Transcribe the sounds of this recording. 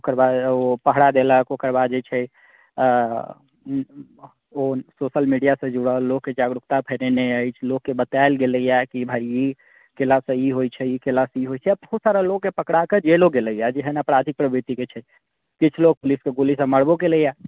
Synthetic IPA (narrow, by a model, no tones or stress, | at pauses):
okəɾbad̪opəɦɽad̪eləkokəɾbad̪d͡ʒet͡ʃʰɛ | ososəlmiɖijasə̃d͡ʒuɽəlokːed͡ʒaɡɾukt̪apʰəneneəjt͡ʃʰlokːebət̪aelɡeləijakibʱaii | kelasə̃iɦojt͡ʃʰɛikelasiɦojt͡ʃʰɛabbəɦusaɾalokːepəkɽaked͡ʒeloɡeləijad͡ʒeɦənəpɽad̪ʱʰik̚pɾəbɾit̪iket͡ʃʰɛ | kit͡ʃʰlok̚puliskeɡolis̬ə̃məɽboɡeləja